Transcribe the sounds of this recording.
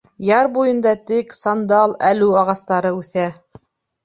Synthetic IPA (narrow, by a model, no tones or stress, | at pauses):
jɑɾbujɤ̆nd̪ɑt̪ɘksɑnd̪ɑlˠælʉɑʁɑst̪ɑɾɤʉθæ